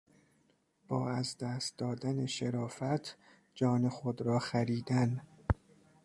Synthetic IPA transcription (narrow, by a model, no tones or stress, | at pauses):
b̥ɒːæzd̪æːst̪̚d̪ɒːd̪æne̞ʃeɾɒːfæt̪ʰ | d͡ʒɒːne̞xod̪ɾɒːxæɾiːd̪æn